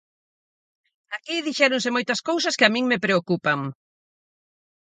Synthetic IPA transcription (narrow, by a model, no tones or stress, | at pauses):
akiðiʃɛɾoŋs̬ɪmojt̪ɐskows̬ɐskɪamĩŋmɪpɾeokupɐŋ